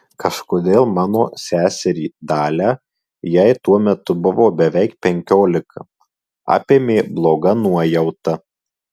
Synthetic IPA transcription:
kɐʃkoːd̪ʲeːlˠmɑːnoːsʲæːsʲɛɾʲiːd̪ɑːlʲæː | jɛɪt̪uɔmʲɛt̪ʊbʊʋoːbʲɛʋʲɛɪkpʲɛŋʲkʲoːlʲɪkʰɐ | ɑ̰ːpʲeːmʲeːblˠoːɡɐnuɔjɛʊt̪ɐ

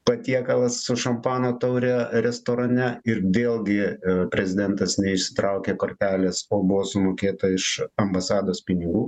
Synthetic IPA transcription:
pɐt̪ʲiɛkɐlˠɐsːʊʃɐmpɑːnoːt̪ɐʊɾʲɛɾʲɛst̪oːɾɐnʲɛɪɾʋʲeːlˠɡʲɪpʲɾʲɛzʲɪd̪ʲɛnt̪ɐsnʲɛɪʃʲsʲɪ̥t̪ɾɐʊkʲeːkoːɾʲt̪ʲæːlʲeːsoːbʊʋoːsʊmoːkʲeːt̪ɐɪʃɐmbɐsɑːd̪oːspʲɪnʲɪɡuː

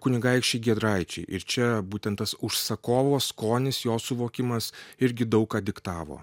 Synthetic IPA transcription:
kʊnʲɪɡɐɪkʃʲt͡ʃʲɛɪɡʲiɛd̪ɾɐɪt͡ʃʲɛɪʔɪɾt͡ʃʲɛbuːt̪ʲɛnt̪ɐsʊʃsɐkoːʋoːskoːnʲɪsjoːsʊʋoːkʲɪmɐsɪɾʲɡʲɪd̪ɐʊkɑːd̪ʲɪkt̪ɑːʋo̰ː

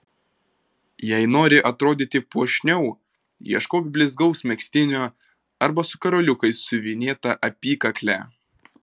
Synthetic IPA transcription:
jɛɪnoːɾʲɪʔɐt̪ɾoːd̪ʲiːt̪ʲɪpuɔʃʲnʲɛʊ | iɛʃkoːkʲbʲlʲɪzɡɒʊsmʲɛksʲt̪ʲɪnʲoː | ɐɾbɐsʊkɐɾoːlʲʊkɐɪsːʊʋʲɪnʲeːt̪ɐʔɐpʲiːkɐklʲæ̰ːˑ

